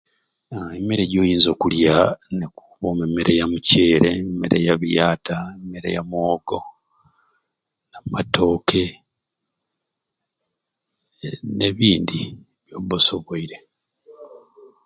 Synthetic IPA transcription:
emeɾeɟo̞ːjiːnzo̞ːkuljaneku̥βomemeɾʔejamuce̞ːɾemḛɾʔḛjaβijaːtʰaemeɾḛjamoːɡ̥o | namato̞ːkʰe̞ | ne̞βiːndi | βjo̞boso̞βoiɾe̞

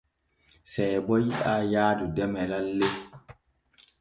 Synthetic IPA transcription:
sɛbɔjiʔajaːdudɛmɛlalːe

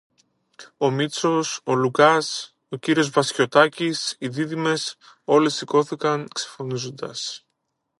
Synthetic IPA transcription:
o̞mit͡so̞so̞lukɐs | o̞ciɾio̞zvɐsço̞t̪ɐcisiðiðime̞s | o̞le̞siko̞θikɐŋkse̞fo̞nizo̞nd̪ɐs

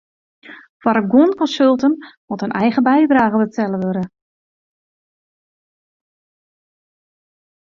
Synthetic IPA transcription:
fwaɾəɡwonkɔnsølˠtənmotənʔɛjɣəbɛjdraːɣəbətʰɛləʋøɾə

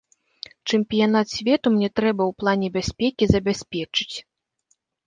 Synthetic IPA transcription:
t͡ʂɨmpʲijanat̪sʲvʲɛt̪umnʲɛt̪ɾɛbɐwplˠanʲɛbʲasʲpʲɛkʲizɐbʲasʲpʲɛt͡ʂɨ̥t͡sʲ

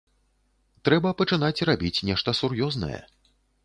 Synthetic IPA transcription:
t̪ɾɛbɐpɐt͡ʂɨnat͡sʲrabʲit͡sʲnʲɛʂt̪ɐsurjɔznɐ̰jɛ̰

